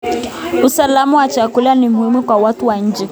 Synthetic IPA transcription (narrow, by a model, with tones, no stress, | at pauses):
u˨sa˨la˦mu˦wa˨t͡ʃa˨ku˦la˦ni˨m̩i˦mi˦kwa˨wa˦tu˦wa˨ɲ̩˦d͡ʒɛ˨